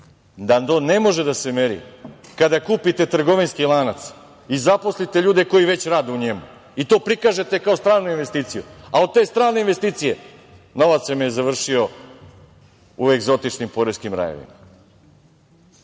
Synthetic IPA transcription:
d̪ad̪one̞mo̞ʒe̞d̪ase̞meɾḭkad̪akuːpit̪e̞t̪r̩ɡo̞ʋinskilˠaːnat̪s | izapo̞slit̪e̞ʎuːd̪e̞ko̞jiʋe̞t͡ɕɾaːd̪euɲemu | it̪o̞ːpɾikaːʒe̞t̪e̞kao̞st̪ɾaːɾnuinʋe̞st̪iːt̪sijuao̞d̪̚t̪e̞ːst̪ɾaːneinʋe̞st̪iːt̪sije̞ | no̞ʋat̪sjemejezaʋr̩ʃio̞ | ueɡzo̞t̪it͡ʃnimpo̞ɾeskimɾa̰jḛʋḭma

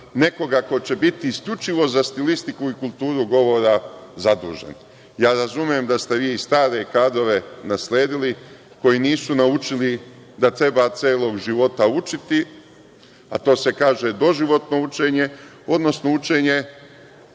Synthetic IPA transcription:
ne̞ko̞ɡako̞t͡ɕe̞bit̪iːskʎut͡ʃiʋo̞zast̪ilist̪ikuikulˠt̪uːɾuɡo̞ʋo̞ɾazad̪ṵːʒḛn | jaːɾazumje̞md̪ast̪e̞ʋiːist̪aːɾe̞kaːd̪ɾo̞ʋe̞nasleːd̪ili | ko̞jiːniːsunaut͡ʃili | d̪at̪ɾe̞bat̪seːlo̞ɡʒiʋo̞t̪aut͡ʃit̪i | a̰t̪o̞ːse̞kaːʒe̞d̪o̞ʒiʋo̞t̪no̞ut͡ʃeːɲe̞ | o̞d̪no̞sno̞ut͡ʃeːɲe̞

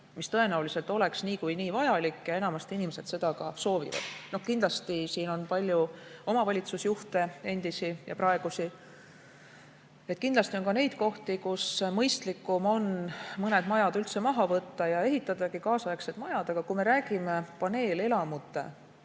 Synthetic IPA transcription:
mist̪ɤe̞næulise̞lt̪ˑo̞le̞ksniːkujniːvɑjɑlikːjɑe̞nɑmɑst̪inimese̞d̪̥se̞d̪ɑkɑso̞ːvḭvɑ̰d̪̥no̞hkind̪lɑst̪isiːno̞npɑlʲjuo̞mɑvɑlʲit̪susjuht̪e̞e̞nd̪̥isijɑ̰prɑe̞ɡ̥usi | et̪̚ˑkind̪lɑst̪io̞nkɑne̞jd̪̥̚ko̞ht̪ikusmɤjst̪likːˑumo̞nmɤne̞d̪̥mɑjɑd̪ylt̪se̞mɑɦɑvɤt̪ːɑjɑe̞ɦit̪ːˑɑd̪ɑɡikɑːsɑeksed̪̥mɑjɑd̪̥ɑɡ̥ɑkume̞ɾæːɡ̥ime̞pɑne̞ːle̞lɑmut̪ːˑe̞̰

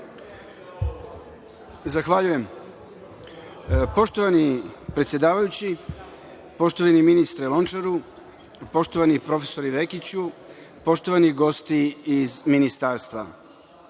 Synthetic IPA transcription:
zaxʋaʎuje̞m | po̞ʃt̪oʋanipɾet̪sjed̪aːʋajut͡ɕi | po̞ʃt̪oʋaniminist̪ɾelˠo̞nt͡ʃaɾu | po̞ʃt̪o̞ʋanipɾo̞fe̥so̞ɾiʋe̞kit͡ɕu | po̞ʃt̪oʋaniɡo̞st̪iizminist̪aːɾst̪ʋa̰

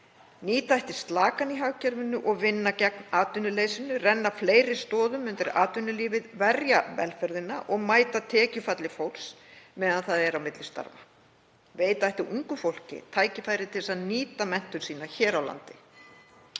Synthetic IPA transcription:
niːt̪aajht̪ɪ̥st̪laːkaniɦawcɛɾvɪnːʏʔɔɣvɪnːacɛk̚naːt̪ʏnʏleːjsɪnʏrɛnːafleːjɾɪ̥st̪ɔːðʏmʏnt̪ɪɾa̰ːt̪ʏnːʏliːvɪðvɛɾjavɛ̰lfɛɾðɪnaʔɔɣmaːjt̪at̪ʰɛːcʏfat̪lɪfowls | mɛːðanθaðɛɾawmɪt̪lɪst̪a̰ɾva | veːjt̪aajht̪ɪuŋkʏfowl̥cɪ̰t̪ʰaːjcɪfajɾɪt̪ʰɪlsaðniːt̪amɛn̥t̪ʏnsiːnaçɛːɾawla̰nt̪ɪ

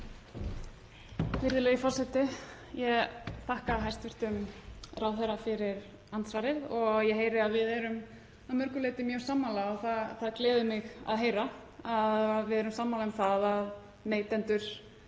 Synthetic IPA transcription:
fɪɾðɪlɛːɣifɔr̥sɛt̪ɪ | jɛɣθahkaɦajst̪vɪr̥t̪ʏmrawθɛɾːafɪɾɪɾ̥ | ant̪svaːɾɪðɔɣɣjɛɦeːjɾɪaðvɪðɛɾʏm | awmœɾkʏleːt̪ɪmjœ̥ːsaːmːaːlaɔɣθaθaðklɛːðʏmɪɣa̰ðɦeːjɾaaðvɪðɛɾʏmsaːmːalaʏmθaðað | neːjt̪ɛnt̪ʏɾ̥

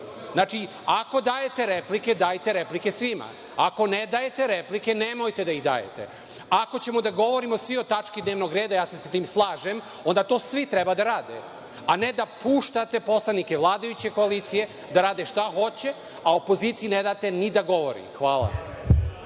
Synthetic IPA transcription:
znaːt͡ʃi | ako̞d̪aːje̞t̪e̞ɾepliked̪aːjt̪e̞ɾeplikesʋima̰ | ako̞ned̪aːjet̪e̞ɾeplike̞nemo̞jt̪e̞d̪aiɣd̪a̰ːjḛt̪e̞̰ | ako̞t͡ɕe̞mo̞d̪aɡo̞ʋo̞ɾimosʋio̞t̪at͡ʃkid̪neːʋno̞ɡɾe̞ːd̪ajaːsesat̪iːmslˠaːʒe̞m | ond̪at̪o̞ːsʋit̪ɾebad̪aɾaːd̪ḛ | aned̪apuːʃt̪at̪e̞po̞slˠanike̞ʋlˠaːd̪ajut͡ɕeko̞aliːt̪sije̞ | d̪aɾaːd̪eʃt̪axo̞t͡ɕe̞ | aopo̞ziːt̪sijined̪aːt̪e̞nid̪aɡo̞ʋo̰ɾḭxʋaːlˠa̰

